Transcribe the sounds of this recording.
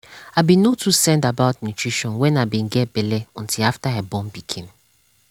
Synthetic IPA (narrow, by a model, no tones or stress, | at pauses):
abĩnotʰusɛ̃ndabaʊtnutʰɹ̥iʃɔ̃nwɛ̃nabĩnɡɛt̚b̥ɛlɛɔ̃ntʰilaftaɛbɔ̃mbikʰĩn